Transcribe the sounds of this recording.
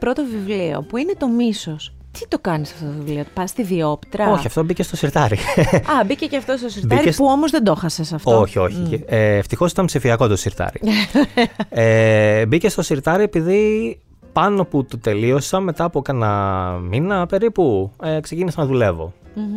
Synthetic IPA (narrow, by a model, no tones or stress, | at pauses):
pɾo̞t̪ovivlio̞̰puine̞t̪o̞miso̞s | t̪it̪o̞kɐnisɐft̪ot̪ovivliot̪pɐst̪iðio̞pi̥t̪ɾɐo̞çɐft̪o̞bicest̪o̞siɾt̪ɐɾiɐbiceceɐft̪ost̪osiɾb̪iɾiespuomozðe̞nd̪o̞xɐsesɐftoçio̞çieeːft̪ixo̞sit̪ɐmpsifiɐko̞t̪osiɾt̪ɐ̰ɾḭ | ebice̞st̪o̞siɾt̪ɐɾiepiði | pɐno̞put̪ot̪e̞lio̞sɐmet̪ɐːpokɐnɐminɐpe̞ɾipueksecinisɐnɐðule̞vo̞̰